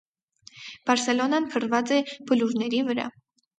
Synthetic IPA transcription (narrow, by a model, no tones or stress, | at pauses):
b̥ɑɾsɛlɔnɑnpʰərvɑt͡sɛbəluɾnɛɾivəɾɑ̰